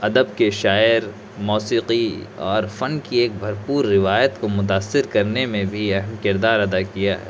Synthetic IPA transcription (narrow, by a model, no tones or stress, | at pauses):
ɐd̪əbkeʃaːɪɾ | mɔːsiːqiɔ̰ːɾfɐnkieːk̚bʱɐɾpuːɾːɪʋaːjət̪komʊt̪̬aːsːɪɾkɐɾnemẽbʱiɛɦəmkɪɾd̪aːɾɐd̪akijaɦɛ̰ː